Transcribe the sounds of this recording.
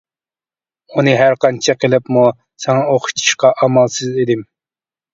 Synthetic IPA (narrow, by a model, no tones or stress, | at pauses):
unɨɦæɾqɑnt͡ʃʰɛqʰəlˠɪpmu | sɛŋɑoχʰʊ̥t̪ʰi̥ʃqɑʔɑmɑlˠsɨzed̪ɪm